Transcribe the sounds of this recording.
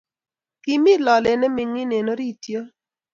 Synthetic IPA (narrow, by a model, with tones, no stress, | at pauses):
ki˨mɪ˦lɔ˨lɛ˨nɛ˦mɪ˨ŋɪ˦ne˨no˦ɾi˦˨tjo˦